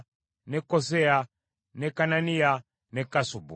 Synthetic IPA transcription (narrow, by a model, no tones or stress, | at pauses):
nɛkɔsɛa | nɛkanania | nɛkasubṵ